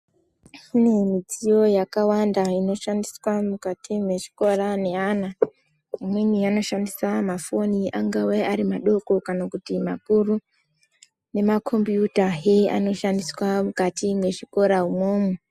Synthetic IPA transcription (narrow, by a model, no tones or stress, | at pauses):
kunemid͡zijo̞jakawandaino̞ʃandiswamukatʰimwe̞ʐi̥ko̞ɾane̞ana | imweniano̞ʃandisamafo̞niʔaŋɡaweaɾimaɗo̞ko̞kanakutimakuru | ne̞makʰo̞mbjutaɦea̰no̞ʃandiswamukatimwe̞ʐiko̞ɾaumo̞ːmwe